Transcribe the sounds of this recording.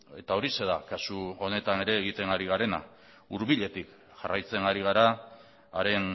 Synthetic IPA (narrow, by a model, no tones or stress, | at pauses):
e̞t̪ao̞ɾise̞ðakasuo̞ne̞t̪ane̞ɾe̞ːɣ̞it̪e̞ŋɡaɾiɣaɾe̞na̰ | uɾβiʎe̞t̪ik | ʝarajt͡se̞ŋɡaɾiɣ̞aɾaː | ɾe̞n